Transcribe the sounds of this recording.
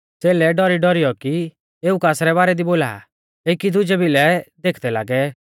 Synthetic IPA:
t͡seːlɛɖɔɾiɖɔɾijɔki | eːukaːsɾɛβaːɾɛd̪iboːla̰ː | eːkid̪ʊd͡ʒɛbɪlɛd̪eːkʰd̪ɛla̰ːɡɛ

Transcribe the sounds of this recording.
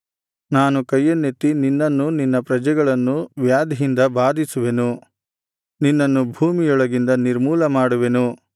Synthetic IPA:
naːnukɐjːɐnːet̪ːininːɐnːuninːɐpɾɐd͡ʒɛɡɐɭɐnːuʋjaːd̪iɦind̪ɐbaːd̪ʱisuʋe̞nu | ninːɐnːubʱuːmijɔɭɐɡind̪ɐniɾmuːlɐmaːɽuʋe̞nu

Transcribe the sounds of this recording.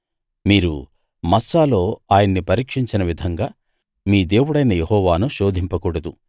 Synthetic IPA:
miːɾṵ | mɐsaːlo̞ːaːjɐnːipɐɾiːkʂiɲt͡ʃinɐʋid̪ʱɐŋɡaː | miːd̪e̞ːwuɽɐjnɐjehɔːʋaːnuʃo̞ːd̪ʱimpɐkuɽɐd̪u

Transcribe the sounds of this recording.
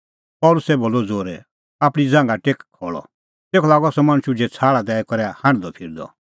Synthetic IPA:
pɔːlʊsɛboːlːɔd͡zoːɾɛ | aːpɽ̃id͡zãːŋɡaʈeːkkʰːɔːɭɔ̰ | t̪eːkʰɔlaːɡɔsɔmɐ̃ɽ̃ʃud͡ʒɛt͡sʰaːɭad̪ɛːkɔɾɛahãɽ̃d̪ɔpʰɪɾd̪ɔ̰

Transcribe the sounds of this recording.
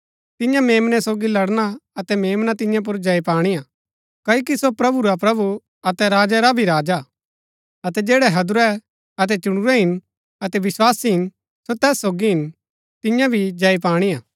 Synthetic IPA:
t̪ɪjãmeːmnɛsoːɡilɐɽnaɐt̪ɛmeːmnat̪ɪ̃jãp̬ʊɾd͡ʒɐipaːɽ̃ijaː | kɐːokisopɾɐbuɾapɾɐbu | ɐt̪ɛɾaːd͡ʒɛɾabʱiɾaːd͡ʒa | ɐt̪ɛd͡ʒeːɽɛɦɐd̪ʊɾɛ | ɐt̪̬ɛt͡ʃʊɽ̃ʊɾɛɦɪn | ɐt̪ɛʋɪswaːsiɦɪn | sot̪ɛːsːoːɡiɦɪn | t̪ɪjãbʱid͡ʒɐip̬aːɽ̃ijãː

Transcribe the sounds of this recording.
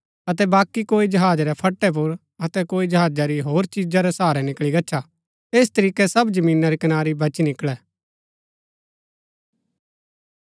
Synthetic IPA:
ɐt̪ɛbaːkːikoːid͡ʒɐɦaːd͡ʒɾɛpʰɐʈːɛp̬ʊɾ | ɐt̪ɛkoːid͡ʒɐɦaːd͡ʒaɾiɦoːɾt͡ʃiːd͡ʒaɾɛsaːɾɛnɪkɭiɡɐːt͡ʃʰa | eːst̪ɐɾiːkɛsɐbd͡ʒɐmĩːnaɾikɐnaːɾibɐt͡ʃinɪkɭɛː

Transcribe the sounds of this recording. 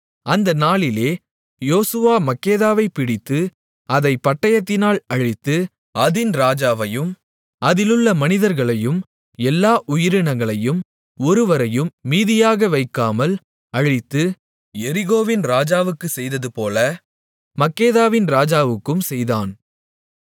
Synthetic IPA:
ɐnd̪ɐnaːɭɪleː | joːsɯʋaːmɐkːeːðaːʋɐɪpɪɽɪt̪ːɯ | ɐðɐɪpːɐʈːɐjɐt̪ːɪnaːɭɐɻɪt̪ːɯ | ɐðɪnɾaːd͡ʒaːʋɐjɯm | ɐðɪlɯɭːɐmɐnɪðɐɾɣɐɭɐjɯm | ɛlːaːʔʊjɪɾɯɳɐŋɡɐɭɐjɯm | ɔɾɯʋɐɾɐjɯmːiːðɪjaːɣɐʋɐɪkːaːmɐl | ɐɻɪt̪ːɯ | jɛɾɪɣoːʋɪnɾaːd͡ʒaːʋɯkːɯsɛjðɐðɯpoːlɐ | mɐkːeːðaːʋɪnɾaːd͡ʒaːʋɯkːɯmsɛjðaːn

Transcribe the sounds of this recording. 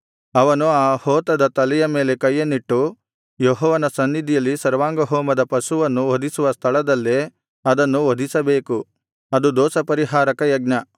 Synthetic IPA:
ɐʋɐnuaːhoːt̪ɐd̪ɐt̪ɐlɛjɐme̞ːle̞kɐjːɐnːiʈːu | joɦɔːʋɐnɐsɐnːid̪ijɐlːisɐɾʋaːŋɡɐɦɔːmɐd̪ɐpɐsuʋɐnːuʋod̪ʱisuʋɐst̪ʰɐɭɐd̪ɐlːe | ɐd̪ɐnːuʋod̪ʱisɐbeːku | ɐd̪ud̪ɔːsɐpɐɾiɦaːɾɐkɐjɐɡ̚nɐ

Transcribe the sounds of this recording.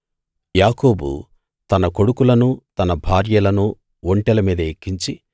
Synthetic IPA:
jaːko̞ːbṵ | t̪ɐnɐko̞ɽukulɐnut̪ɐnɐbʱaːɾjɐlɐnu | oɳʈɛlɐmiːd̪ɐekːiɲt͡ʃi

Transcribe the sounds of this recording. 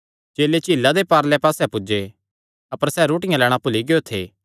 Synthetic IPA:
t͡ʃeːlet͡ʃiːlːad̪epaːɾlɛpaːsɛpʊd͡ʒe | ɐpəɾsɛːɾoːʈɪjãlɛːɽ̃apʊliɡeot̪ʰḛː

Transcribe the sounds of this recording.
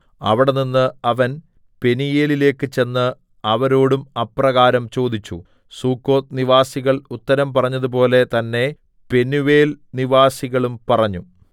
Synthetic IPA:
ɐ̰ʋiɽe̞ninːɨɐʋɐn | pe̞nijeːlile̞ːkːɨt͡ɕe̞nːɨ | ɐʋɐɾo̞ːɽumɐprɐɣaːɾɐmt͡ɕo̞ːd̪it͡ɕːṵ | suːkːo̞ːt̪niʋaːsiɣɐɭut̪ːɐɾɐmpɐrɐɲːɐðup̬o̞ːle̞t̪ɐnːe̞ | pe̞nuʋe̞ːlniʋaːsiɣɐɭumpɐrɐɲːu

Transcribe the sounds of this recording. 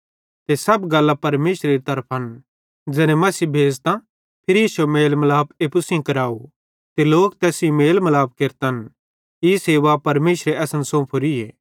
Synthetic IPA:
t̪esɐbɡɐlːapɐɾmeːʃɾeɾit̪ɐɾpʰɐn | d͡ʒɛːɾẽmɐsiːbʱeːd͡zt̪ã | pʰɪɾjiːsuemeːlmɐlaːbeːpʊsĩkɐɾaːu | t̪eloːkt̪ɛːsĩmeːlmɐlaːp̚keɾt̪ən | iseːʋapɐɾmeːʃɾeɛːsənsõpʰʊɾiḛː

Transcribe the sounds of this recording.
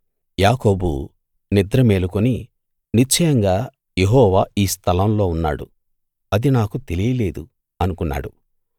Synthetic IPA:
jaːko̞ːbṵ | nid̪ɾɐme̞ːlukoni | nit͡ʃɐjɐŋɡaː | jeɦɔːʋaːiːst̪ʰɐlɐmlo̞ːunːa̰ːɽṵ | ɐd̪inaːkut̪e̞lijɐle̞ːd̪u | ɐnukunːa̰ːɽu

